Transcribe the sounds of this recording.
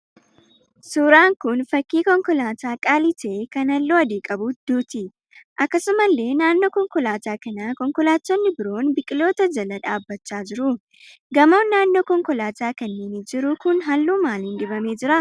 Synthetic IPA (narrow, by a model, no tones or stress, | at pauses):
suːɾaːŋkʊnfɐkːiːkɔŋkɔlaːt̪aːkʼaːlɪt̪eːkɐnɐlːuːɐd̪iːkʼɐbud̪̥uːt̪ɪ | ʔɐkːɐsʊmɐlːe̞ːnaːnːo̞ːkɔŋkɔlaːt̪aːkɐnakɔŋkɔlaːt̪ːɔnːɪbɪɾo̞ːnbɪkʼɪlo̞ːt̪ɐd͡ʒɐlɐᶑaːbːɐt͡ʃːaːd͡ʒɪɾʊ | ɡɐmoːnːaːnːo̞ːkɔŋkɔlaːt̪aːkɐnːeːnɪd͡ʒɪɾʊkʊnɦɐlːuːmaːlɪnd̪ɪbɐmeːd͡ʒɪɾɐ